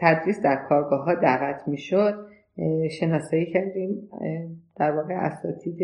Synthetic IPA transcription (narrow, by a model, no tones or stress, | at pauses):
t̪ʰæd̪ɾiːsd̪æɾkʰɒːɾɡɒːɦɒːd̪æɣæt̪ʰmiːʃod̪̚ | ʃe̞nɒːsɒːjiːcʰæɾd̪iːm | d̪̥æɾvɒːɣe̞ʔæ̰sɒ̰ːt̪ʰiːd̪e